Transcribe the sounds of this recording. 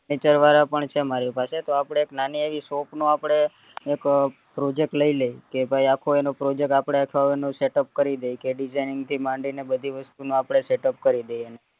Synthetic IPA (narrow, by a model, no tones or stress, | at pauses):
et͡ʃəɾʋaɾapəɳt͡ʃʰemaɾipaset̪oapɽ̃eːknanieʋisopnũapɽ̃eː | k | pɾod͡ʒek̚ʈləiləjkebʱaiakʰoenopɾod͡ʒek̚ʈapɽ̃eakʰaenũseʈəp̚kəɾid̪ejkeɖid͡ʒajnɪŋɡt̪ʰimãɳɖinebəd̪ʱiʋəst̪unũapɽ̃eseʈəp̚kəɾid̪ejene